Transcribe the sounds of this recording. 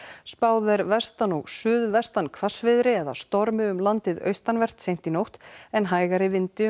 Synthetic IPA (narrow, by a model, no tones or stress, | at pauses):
spaːwðɛɾvɛst̪anɔɣsʏːðvɛst̪ankʰvasvɪðɾɪɛða̰st̪ɔɾmɪʏmlant̪ɪðœ̰ɥst̪anvɛr̥t̪sejn̥t̪inowht̪ɛnɦaːjɣaɾɪvɪnt̪ɪ